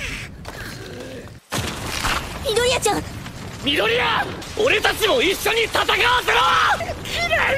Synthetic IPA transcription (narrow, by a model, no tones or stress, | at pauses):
mʲid̪oɾʲijat͡ɕãn | mʲid̪o̞ɾʲija | oɾe̞t̪at͡ɕimo̞iɕːo̞ɲ̟it̪at̪akaasema